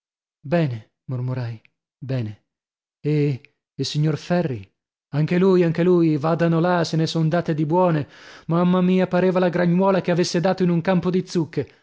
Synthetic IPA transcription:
bɛːne | mormoɾaj | bɛːne | e | ilsiɲːorfɛrːi | aŋk̟eluːjaŋk̟elujvaːd̪anolasenesond̪aːt̪ed̪ibwɔːnemamːamiːapaɾeːvalaɡɾaɲːwɔːlakeavesːed̪aːt̪oinuŋkampod̪it̪sːukːe

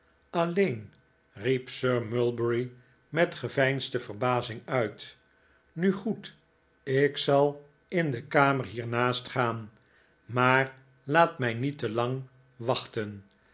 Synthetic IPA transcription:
ɑlejn | ripsøːɹmʏlˠbəɹi | mɛtχəvɛjnstəvərbaːzɪŋœɥt | nyχut | ɪksɑlˠ | ɪndəkaːmərɦiːɹnaːstχaːn | maːr | laːtmɛjnitəlɑŋ | ʋɑχtən

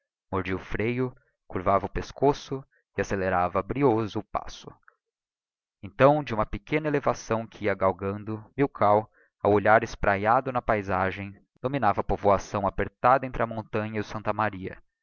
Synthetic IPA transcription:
moɾd͡ʒiʊfɾejʊ | kuɾvavɐʊpeskosʊ | ɪaseleɾavɐbɾiozʊːpa̰sʊ̥ | ẽñt̪ɐ̃w̃d͡ʒɪũmɐpekẽnɐelevasɐ̃w̃kɪiɐɡawɡɐ̃nd̪ʊmiwkʰaw | awoʎaɾɪspɾʔajad̪ʊnɐpajzaʒẽj̃ | d̪̥ominavɐpovoasɐ̃w̃apeɾt̪ad̪ɐẽnt̪ɾɪɐmõnt̪ɐ̃ɲɐiʊsɐ̃nt̪ɐmaɾiɐ̰

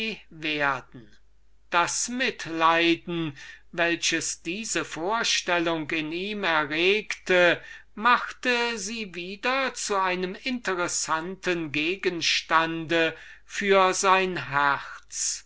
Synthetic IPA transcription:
veːɐdn̩ | d̥asmɪtlaɪdn̩vɛlɕəsd̥iːzəfoːɐʃtɛlʊŋkɪniːmɛɐʁeːktʰə | maxtəziːviːdɐt͡suaɪnəmɪntəʁɛsantʰənɡeːɡənʃtandə | fyːɐzaɪnɦɛʁt͡s

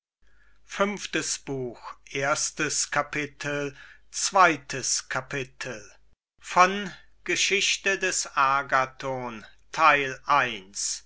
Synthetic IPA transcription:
fʏmftəsb̥uːxʔeːɐstəskʰapɪtʰəl̩t͡sv̥aɪtʰəskʰapɪtʰəl | fɔn | ɡ̥əʃɪɕtədɛsʔaɐɡatʰoːntʰaɪlʔaɪns

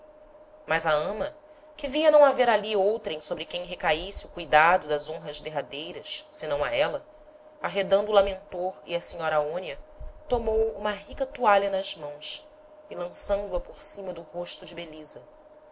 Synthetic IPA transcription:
mɐzaɐ̃mɐ | kɪviɐnɐ̃w̃aveɾaliowt̪ɾẽj̃sobɾɪkẽj̃ɦekaisɪʊkujd̪ad̪ʊd̪ɐzõɦɐʒd̪eɦad̪ejɾɐssɪnɐ̃w̃aɛlɐ | aɦed̪ɐ̃nd̪ʊulamẽnt̪oɾḭɐsiɲɔɾɐaõniɐt̪omowũmɐɦikɐt̪uaʎɐnɐzmɐ̃w̃s | ɪlɐ̃sɐ̃nd̪uɐpoɾsĩmɐd̪ʊɦoʃt̪ʊd͡ʒɪbelizɐ

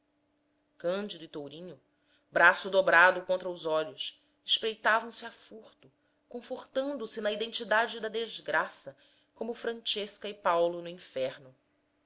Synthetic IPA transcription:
kɐ̃d͡ʒid̪ʊɪt̪owɾĩɲʊ | bɾasʊd̪obɾad̪ʊkõnt̪ɾɐʊzɔʎʊs | ɪʃpɾejt̪avɐ̃w̃sɪafuχt̪ʊ | kõfoχt̪ɐ̃nd̪ʊsɪnɐid̪ẽnt͡ʃid̪ad͡ʒɪd̪ɐd̪ezɡɾasɐ | kõmʊfɾɐ̃nt͡ʃeʃkɐɪpawlʊnʊĩfɛɾnʊ

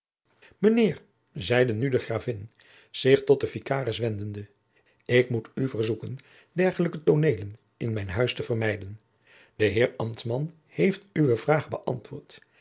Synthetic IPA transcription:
mənɪːɹ | zɛjdənydəχraːvɪn | z̥ɪχtɔt̚dəfikaːrəsʋɛndəndə | ɪkmutyvəɹzukən | dɛɹχələkətonejlən | ɪnmɛjnɦœɥstəvərmɛjdən | d̥əɦɪːɹɑmtmɑn | hejftyʋəvraːχbəʔɑ̰ntʋʊːɹt

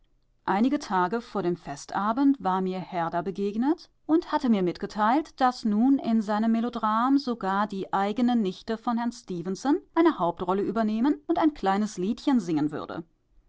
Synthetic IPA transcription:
ʔaɪnɪɡətʰaːɡəfoːɐɾeːmfɛstʔaːbn̩tv̥aːɐmiːɐhɛɐdabəɡeːɡnət | ʔʊnthatəmiːɐmɪtɡ̥ətʰaɪltd̥asnuːnɪnzaɪnəmːelodʁaːmzoɡaːɐdiːʔaɪɡənənːɪçtəfɔnhɛɐnstiːvənsɔnʔaɪnəhaʊp̚tʁɔləʔyːbɐneːmənʊntaɪnkl̥aɪnəsliːtçənzɪŋənvʏ̰ɐdə̰

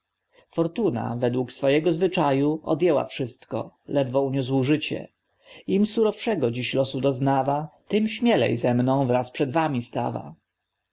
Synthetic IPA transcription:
fɔɾt̪una̰vɛd̪wuksfɔjɛɡɔzvɘt͡ʂajuɔ̰d̪jɛwa̰fʂɘst̪kɔ̰lɛd̪vɔuɲus̬wʐɘt͡ɕɛ̰ | imsuɾɔfʂɛɡɔd͡ʑiɕlɔsud̪ɔznavat̪ɘmɕmʲjɛlɛ̰jzɛmnɔ̃w̃vɾaspʂɛd̪vamʲist̪a̰va̰

